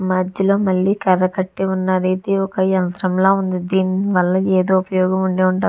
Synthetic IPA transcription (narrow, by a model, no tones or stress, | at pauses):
mad͡ʒjɐloːmɐɭːiːkɐɾɐkɐʈːiunːaːɾit̪iɔkɐjɐnt̪ɾɐmloːund̪id̪iːniʋɐlːɐeːd̪oːupɐjɔːɡɐmuɳɖeːuɳʈaː